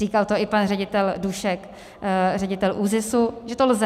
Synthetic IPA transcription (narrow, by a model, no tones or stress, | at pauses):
iːkalt̪oɪpanrɛɟɪt̪ɛlduʃɛk | rɛɟɪt̪ɛlʔuːzɪsuʒɛt̪olzɛ